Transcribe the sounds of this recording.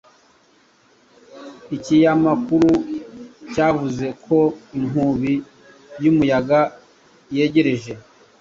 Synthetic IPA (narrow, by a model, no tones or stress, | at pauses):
icijamakuɾu | caːvuze̞kʰo̞im̥uβi | jumujaɡa | je̞ɟe̞ɾe̞ʒe̞